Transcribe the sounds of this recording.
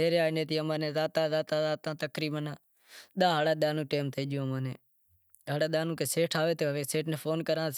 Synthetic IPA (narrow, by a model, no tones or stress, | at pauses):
eːɾeaːneːt̪iːəmãːnẽːzaːt̪ãːzaːt̪ãːzaːt̪ãːt̪əkɾiːmənaː | ɗ̪ãːɦaːɽaːɗ̪aːnũːʈeːmt̪ʰeiːd͡ʒjõːmãːnẽː | ɦaːɽaːɗ̪aːnũːkeːseːʈʰaːʋeːt̪oːʋeːseːʈʰnẽːpʰoːnkəɾãːs